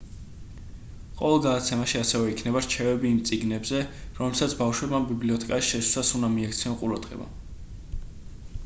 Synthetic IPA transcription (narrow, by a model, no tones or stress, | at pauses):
qʼɔvɛlˠɡad̪at̪sʰɛmaʃiasɛvɛikʰnɛbaɾt͡ʃʰɛvɛbiːmt̪sʼiɡnɛbzɛɾɔmɛlsat̪sʰbafʃwɛbmambibliɔt̪ʰɛkʼaʃi̥ʃɛsu̥sasunamiakʰt̪sʰiɔnqʼuɾad̪̥ʁɛ̰ba̰